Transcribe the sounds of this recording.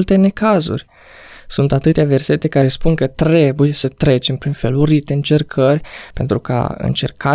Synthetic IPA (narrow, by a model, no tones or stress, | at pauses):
lt̪e̞ne̞kazṵrʲ | sunt̪at̪ɨt̪eave̞rse̞t̪e̞kaɾe̞spuŋkət̪ɾe̞buje̞sət̪ɾe̞t͡ʃe̞mpɾinfe̞luɾit̪eɨnt͡ʃe̞rkʰərʲpe̞nt̪ɾuka̰ɨ̰nt͡ʃe̞rka